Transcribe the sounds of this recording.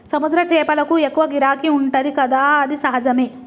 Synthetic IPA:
sɐmud̪ɾɐt͡ʃeːpɐlɐkuekːuʋɐɡiɾaːkiuɳʈɐɾikɐd̪aːɐd̪isɐɦɐd͡ʒɐmeː

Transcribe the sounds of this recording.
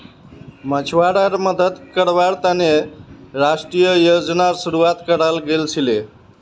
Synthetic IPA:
mət͡ʃʰwaɽəɾməd̪əd̪kəɾbaɾt̪aneɾasʈɾijəjod͡ʒnaɾsuɾuat̪kəɾalɡelt͡ʃʰile

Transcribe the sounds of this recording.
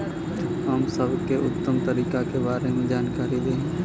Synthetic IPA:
ɦəmsəbkeʔʊt̪ːəmt̪əɾiːkakebaːɾemẽd͡ʒaːnkaːɾid̪eː

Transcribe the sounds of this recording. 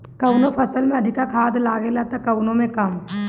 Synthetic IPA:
kɐwnõpʰɐsəlmẽɐd̪ʱɪkakʰaːd̪laːɡelat̪akɐwnõmẽkɐm

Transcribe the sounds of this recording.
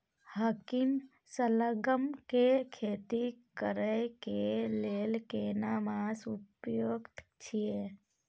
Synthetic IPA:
həkim | sələɡəmkekʰet̪ikəɾəjkelelkenamasupjoɡt̪t͡ʃʰije

